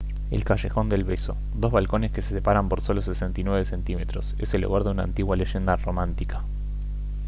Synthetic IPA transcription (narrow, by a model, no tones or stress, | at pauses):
ḛlkaʃe̞xo̞nd̪elβeso̞̰ | ðo̞zβalko̞neskesesepaɾampo̞ɾso̞losesent̪inweβese̞nt̪ime̞t̪ɾoseselːṵɣaɾðeuna̰nt̪iɣwaleʒe̞nd̪aromãnt̪ikḁ